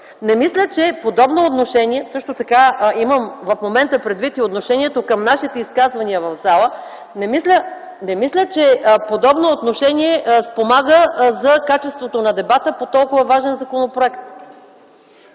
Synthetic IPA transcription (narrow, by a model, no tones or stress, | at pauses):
nɛmislʲət͡ʃɛpod̪ɔbnoːt̪noʃɛniɛfsɤʃt̪ot̪ɐkaiməmvɐfmomɛnt̪əpɾɛd̪vit̪iot̪noʃɛniɛt̪okəmnaʃit̪ɛiskazvɐniəvɐvzalˠə | nɛmislʲə | nɛmislʲət͡ʃɛpod̪ɔbnoːt̪noʃɛnʲiɛspomaɡəzɐkat͡ʃɛst̪vot̪onɐd̪ɛbat̪əpot̪ɔlˠkʊvɐvaʒɛnzɐkonopɾoɛkt̪